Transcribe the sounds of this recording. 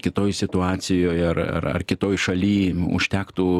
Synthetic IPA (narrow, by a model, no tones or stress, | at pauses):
kʲɪt̪oːjsʲɪt̪ʊɑːt͡s̪ʲɪjoːjɐrɐ̰rɐ̰rkʲɪt̪oːjʃɐlʲiːʊ̰ʃʲt̪ʲæːkt̪uː